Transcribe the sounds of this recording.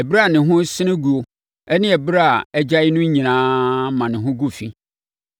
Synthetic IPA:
ɛ˨bɾa˨nɪ̃˨ɦʊ̃˦sɪ˦nɪ̃˦ɡu˨o˨ | ɛ˦nɪ̃˦ɛ˨bɾa˦a˨ɛ˦d͡ʑa˦ɪ˦nʊ̃˦ɲĩ˨nãː˦mã˨nɪ̃˨ɦʊ̃˦ɡu˦fi˦

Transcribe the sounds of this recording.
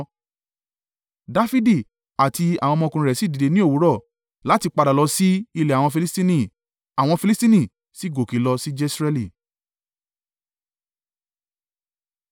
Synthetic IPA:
da˦fi˦di˦˨ | a˨ti˧a̰˨wɔ̃˧mɔ̃˧kũ˧ɾɛ˨si˦di˨de˧nĩ˦o˦˨wu˨˦ɾɔ˦˨ | la˨˦ti˧k͡pa˧da˨lɔ˧si˦i˧le˨a˨w̃ɔ̃˧fi˧li˦sti˦nĩ˦˨ | a˨w̃ɔ̃˧fi˧li˦sti˦nĩ˦˨ | si˨˦˨ɡo˨ki˨˦lɔ˧si˦d͡ʒɛ˦sɾɛ˦li˦˨

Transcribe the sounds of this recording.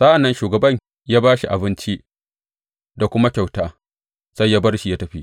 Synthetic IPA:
sa˦ʔa˨nːɐ˦nʃuː˨ɡɐ˨bɐ˦˨ɲ | jaː˦baː˦ʃi˨ʔa˨bɪ˦nt͡ʃi˦ʔ | da˨kʷʊ˦ma˦kʲa˨wtaː˦ | sɐ˦jːaː˦bɐ˦rʃi˨jaː˦tɐ˦ɸi˦ʔ

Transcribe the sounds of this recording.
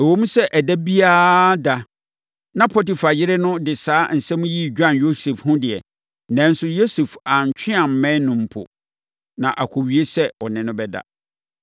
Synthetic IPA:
ɛ˨wo˦mũ˦sɛ˦ʔɛ˨dɛ˦bi˦aː˦da˨ | nã˦pʰɔ˦ti˨fa˨jɪ˦ɾɪ˦nʊ̃˦dɪ˨saː˦n̩˨sɛ̃˦mũ˦ji˦d͡ʑᶣã˦njo˦se˨fhʊ̃˦dɪ˨ɛ˨ | nɛ̃˨˦n̩˦sʊ˨jo˦su˨fa˨ɲ˨t͡ɕʰᶣɪ̃˦a˨m̩˨˦mɛ̃˦nʊ̃˨m̩˨pʰʊ̰˨ | nã̰˨ʔa˨kʰo˨ɥi˨˦e˦sɛ˦ɔ˨nɪ̃˨nʊ̃˦bɛ˦da̰˨

